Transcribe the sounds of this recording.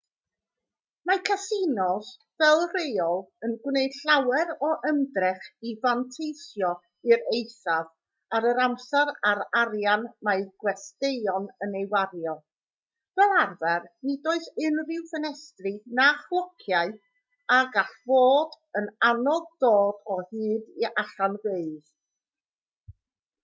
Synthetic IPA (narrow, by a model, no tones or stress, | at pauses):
makʰasinɔs | vɛlˠrejɔlˠənɡwnejd̥ɬawɛɾɔʔəndrɪχivantʰejsjɔ | ɨɾejθav | aɾəɾamsɛɾaɾaɾjanmaɨɡwɛsteɨɔnənejwaɾjɔlˠ | vɛlˠarvɛrnidoːɨθɪnrɪwfənɛstrɨnaχwˠɔkʰjaɨ | aɡaɬv̥oːd | ənanɔɡ̚doːdɔhɨːðiaɬanveɨð̥